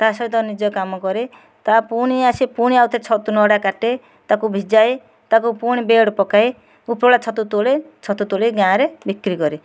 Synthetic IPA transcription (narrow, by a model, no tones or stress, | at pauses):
t̪asɔjt̪ɔnid͡ʒɔkamɔkɔɾe | t̪apuɽ̃iasipuɽ̃iawt̪ʰet͡ʃʰɔt̪unɔɽakaʈe | t̪akubʱid͡ʒaj | t̪akupuɽ̃ibeɽɔpɔkaj | upɾoɽat͡ʃʰɔt̪ut̪olet͡ʃʰɔt̪ut̪oleɡãɾebikɾikɔɾi